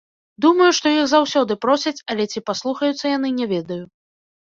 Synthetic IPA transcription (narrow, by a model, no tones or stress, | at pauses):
d̪umɐjuʂt̪ɔjixzawsʲɔd̪ɨpɾɔsʲɐt͡sʲɐlʲɛt͡sʲipaslˠuxɐjut̪sːɐjanɨnʲɛvʲɛd̪ɐju